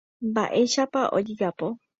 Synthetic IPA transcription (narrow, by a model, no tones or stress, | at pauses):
mba̰ʔe̞ʃapaʔo̰d͡ʒiɡapo